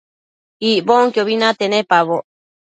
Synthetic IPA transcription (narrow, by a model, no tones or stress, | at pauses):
iʔboŋkjoβinat̪enepaβoʔ